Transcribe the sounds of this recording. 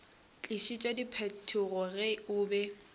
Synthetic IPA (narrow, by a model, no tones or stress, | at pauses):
t͡ɬʼiʃit͡ʃʼadipʰɛtʰʊɣɔrɛʊːbɛ